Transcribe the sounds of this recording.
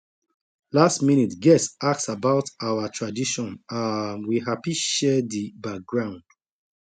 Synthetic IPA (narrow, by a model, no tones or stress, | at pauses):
lastminitɡɛsak̚sabaʊtawatʰɹadiʃɔ̃nanwiɦapiʃɛdibak̚ɡɹãʊ̃nd̥